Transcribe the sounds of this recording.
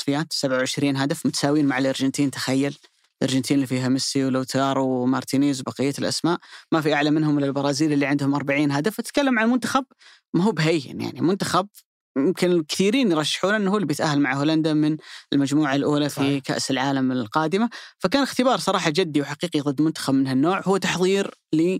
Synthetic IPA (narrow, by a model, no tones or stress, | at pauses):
sˤfɪjaːt̪sabʕawʕɪʃɾiːnɦad̪afmʊt̪ḁsaːwiːnmaʕɪlʔɑɾˤd͡ʒɪnt̪ʰiːnt̪ḁxajːal | lʔɑ̰ɾˤd͡ʒɪnt̪iːnlːifiːɦamɪsːiwloːt̪ʰɑːɾˤwmɑɾˤt̪ʰiːniːzwbɑqɪjːalʔa̰smaːʔmafiʔaʕlamɪnɦʊmɪlɪlbɑɾˤɑːziːlɪlːiʕɪnd̪hʊmʔɑɾˤbaʕiːnɦad̪aft̪ɪt̪̚kalːamʕanlmʊnt̪ḁxab̚ | maɦuːbɦaj̰nja̰ʕnimʊnt̪axab̚ | jɪmkɪnɪkɪ̥θiːɾiːnjɾˤɑʃːɪ̥ħuːnʔɪnːhuːlibjɪt̪ʔahɦːalmaʕholand̪amɪnɪlmad͡ʒmuːʕalʔuːlafika̰ʔsɪlʕaːlamɪlqɑːd̪ɪmafakaːnɪxt̪ɪbɑːɾˤsˤɑɾˤɑːħɑd͡ʒad̪ːiwħaqiːqiðˤɨd̪ːmʊnt̪ḁxabmɪnhanːoːʕhʊwːt̪aħðˤiːɾli